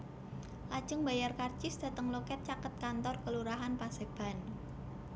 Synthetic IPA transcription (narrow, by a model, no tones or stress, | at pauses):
lad̥ʒ̥əŋbajarkart͡ʃɪsd̪̥a̤t̪əŋlokɛt̪̚t͡ʃakət̪̚kant̪ɔrkəluɾaɦanpaseb̥a̤n